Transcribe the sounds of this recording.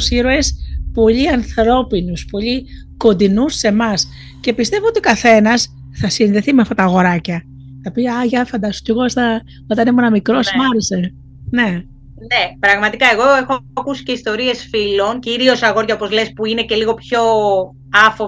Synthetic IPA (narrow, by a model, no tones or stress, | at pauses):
siɾoe̞spo̞ʎiɐnθɾo̞pinuspo̞ʎi | ko̞nd̪inusːe̞mɐs | ce̞pist̪e̞voot̪iokɐθe̞nɐs | θɐsinðe̞θimeɐft̪ɐt̪ɐːɣo̞ɾɐcɐ | θɐpiɐʝɐfɐnd̪ɐst̪oc̪eɣoest̪ɐ | ot̪ɐnemonɐmikɾo̞smɐɾese | ne̞ | ne̞pɾɐɣmɐt̪ikɐe̞ɣoexokusi̥ce̞ist̪o̞ɾie̞sfilo̞nciɾio̞sɐɣo̞ɾʝɐopozlespuine̞ce̞liɣo̞pço̞ | ɐfo